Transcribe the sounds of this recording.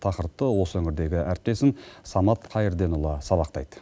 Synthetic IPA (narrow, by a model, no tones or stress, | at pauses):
t̪ʰɑqəɾp̚t̪əwo̞səɵŋɪɾd̪e̞ɡʲɪʔæɾɪp̚t̪e̞sɪnsɑmɑt̪qʰɑjəɾd̪e̞nʊlˠɑsɑβɑqt̪ɑ̰jd̪̥ə